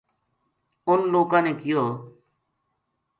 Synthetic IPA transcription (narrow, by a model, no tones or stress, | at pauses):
ʊnloːkãːneːkɪjoː